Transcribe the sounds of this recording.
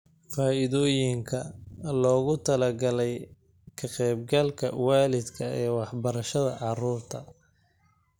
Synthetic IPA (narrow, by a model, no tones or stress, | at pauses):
faːɪðɔːjɪŋkʰɐlɔːɣʊt̪ʰɐlɐɡɐlɛj | kʰɐqɛːbɡɐlkʰɐ̰waːlɪd̪kʰɐɛːwɑħbɐɾɐʃɐðɐ̰ʕɑruːrt̪ʰɐ